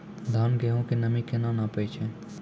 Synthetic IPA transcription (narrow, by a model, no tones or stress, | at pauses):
d̪ʱaːnɡɛɦõkenəmikenãnapəjt͡ʃʰɛ̃